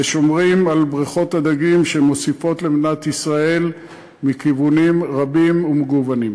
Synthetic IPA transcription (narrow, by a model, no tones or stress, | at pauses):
eʃomʁimalbʁiχo̞tad̪aɡimʃe̞mo̞sifo̞tlemnat̪isʁae̞l | mikivunimʁabimumeɡuvanim